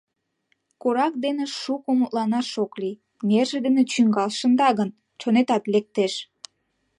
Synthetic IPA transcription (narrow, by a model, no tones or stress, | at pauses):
koɾɑk̚d̪eneʃukomut̪lɑnɑʃokli | nerʒĕd̪enet͡ɕyŋɡɑlʃə̆nd̪ɑɣən | t͡ɕonet̪ɑt̪lek̚t̪eʃ